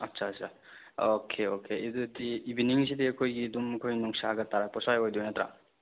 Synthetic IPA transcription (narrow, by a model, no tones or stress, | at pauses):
ɐtsʰasʰa | okʰeokʰeidudiːbiniŋs̬idiɐkʰojɡidumɐkʰojnuŋsaɡɐtaɾak̚pɔsajojdojnatʰɾa̰